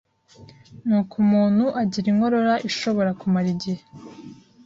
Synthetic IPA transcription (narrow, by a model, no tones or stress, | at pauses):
nuːkumuːnhuʔaɟiɾiŋɡo̞ɾo̞ɾaʔiʃo̞βo̞ɾakumaɾiɟihe